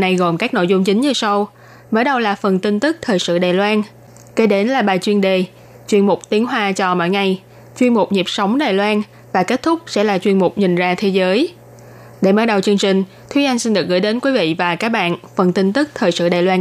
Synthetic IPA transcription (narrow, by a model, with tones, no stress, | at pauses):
na˧jɣo˨˩mkaː˦˥k̚no̰˧˨jzʊ˧ŋ͡mt͡ɕï˨˦ŋ̟ɲɨ˧sa˧w | məː˨˦ɗə˧wlaː˨˩fə˨˩nt̪i˧nt̪ɨ˦˥k̚t̪ʰəː˨˩jsɨ̰˧˨ɗaː˨˩jlwaː˧n | ke˧˩ɗe˨˦nlaː˨˩ɓaː˨˩jt͡ɕwi˧ənɗe˨˩ | t͡ɕwi˧ənmʊ˨˩k͡p̚t̪i˨˦ənɦwaː˧t͡ɕɔ˧mɔ̰˧˥˨jŋa˨˩j | t͡ɕwi˧ənmʊ˨˩k͡p̚ɲi˨˩p̚sa˨˦wŋ͡mɗaː˨˩jlwaː˧n | vaː˨˩ke˦˥t̚t̪ʰʊ˦˥k͡p̚sɛ̰˧˥laː˨˩t͡ɕwi˧nmʊ˨˩k͡p̚ɲï˨˩ŋ̟zaː˧t̪ʰe˨˦zəː˨˦j | ɗḛ˧˩məː˨˦ɗə˨˩wt͡ɕɨ˧əŋt͡ɕï˨˩ŋ̟ | t̪ʰwʔa˧ŋ̟si˧nɗɨ˨˩ək̚ɣɨ̰˧˥˦jɗe˨˦nkwi˨˦vḭ˧˨vaː˨˩kaː˦˥k̚ɓa̰ː˧˨nfə˨˩nt̪i˧ŋ̟t̪ɨ˦˥k̚t̪ʰəː˨˩jsɨ̰˧˨ɗaː˨˩jlwaː˧n